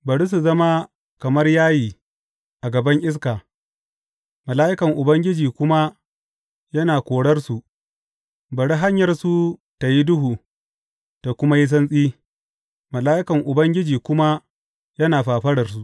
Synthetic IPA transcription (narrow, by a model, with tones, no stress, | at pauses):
bɐ˨ɽi˦s̬u˨zɐ˦ma˦ | kɐ˨mɐ˦rjaː˦jiː˨ | ʔa˨ɡɐ˨bɐ˦ŋʔɪ˦s̬kaː˨ | mɐ˨laː˦ʔɪ˦kɐ˨ŋʔʊ˨bɐ˦ŋɡʲɪ˦d͡ʒiː˨kʷʊ˦ma˦ | jɐ˦naː˨kʷoː˨ɽɐ˦rsu˨ | bɐ˨ɽi˦ɦa˦ɲjɐ˨rsu˨ | ta˨ji˦dʊ˦ɦuː˨ | ta˨kʷʊ˦ma˦ji˦s̬ɐ˦nsʼiː˦ | mɐ˨laː˦ʔɪ˦kɐ˨ŋʔʊ˨bɐ˦ŋɡʲɪ˦d͡ʒiː˨kʷʊ˦ma˦ | jɐ˦naː˨ɸaː˨ɸɐ˦ɽɐ˨rs̬u˨ʔ